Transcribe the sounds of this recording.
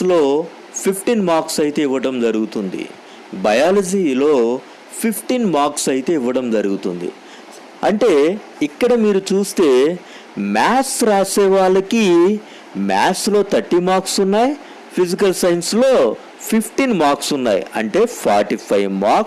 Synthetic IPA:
lo̞ː | pʰipʰʈiːnmaːksɐjit̪e̞ːiʋːɐʈɐmd͡ʒɐɾuɡut̪und̪ḭ | bɐjaːlɐd͡ʒiːlo̞ː | pʰipʰʈinmaːksɐjit̪e̞ːiʋːɐɽɐmd͡ʒɐɾuɡut̪und̪ḭ | ɐɳʈe̞ː | ikːɐɽɐmiːɾut͡ʃuːst̪e̞ː | maːsɾaːsɛːʋaːɭɐki | ma̰ːslo̞ːt̪ʰɐʈːimaːksunːaːji | pʰid͡ʒik̬ɐlsɐjnslo̞ː | pʰipʰʈinmaːksunːaːjḭɐ̰ɳʈe̞ːpʰa̰ːɾʈipʰɐjmaːks

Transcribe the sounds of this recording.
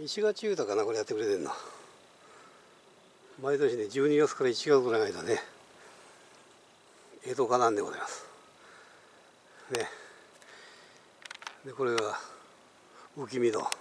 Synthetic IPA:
it͡ɕiɡat͡ɕiɯːt̪akanako̞ɾe̞jat̪ːekɯɾe̞t̪ẽ̞nːa̰ | mait̪o̞ɕine̞d͡ʑɨːɲiɡat͡sɨ̥kaɾait͡ɕiɡat͡sɨɡoɾanait̪one | et̪o̞kanãnd̪e̞mona̰imasɨ̥ | ne̞ | d̪e̞ko̞ɾe̞ɡa | ɯk̬ʲimʲid̪o̰

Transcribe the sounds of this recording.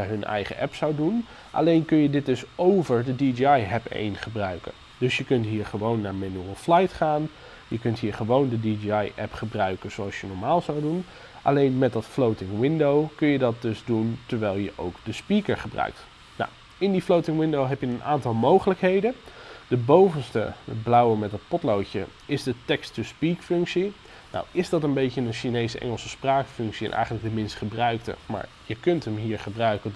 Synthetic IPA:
əɦɵnʔɛ̰jχə̰ʔɛpsawdun | ʔa̰lejnkɵnjədɪd̚dɵsowvəɹdədidiɑjɦɛpḛjnχəbrœɥkə̰n | dɵsjəkɵntɦiːɹχəʋownːaːɹmenuɹəlˠflajtχaːn | jəkɵntɦiːɹχəʋowndədidiɑjʔɛpχəbrœɥkənzoɑlˠsjənɔɹmaːlˠzawdun | ʔɑ̰lejnmɛt̚dɑtflowtɪŋwɪndowkɵnjədɑt̚dɵzduntəɹʋɛjlˠjəʔo̰wkd̥əspikəɹχəbrœ̰ɥk̚t | na̰w | ɪndiflowtɪŋwɪndowɦɛpjənənʔaːntɑlˠmowχələkɦejdəd̥əbowvənstə̰blɑwəmɛt̚dɑt̚pɔtlowcə̰ɪzdətɛkstəspikfɵŋksi | na̰wɪzdɑtənbejcənənʃinejsəʔɛ̰ŋəlˠsəspraːkfɵŋksiɛ̰nʔɛ̰jχələk̚dəmɪnstχəbrœɥktə̰ma̰ːɹjəkɵntəmɦiːɹχəbrœɥkə

